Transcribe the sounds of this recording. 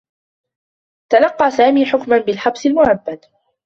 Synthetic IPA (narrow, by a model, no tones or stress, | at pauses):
t̪alɑqːɑːsaːmiːħʊkmanbɪlħɑbsɪlmʊʕabːad̪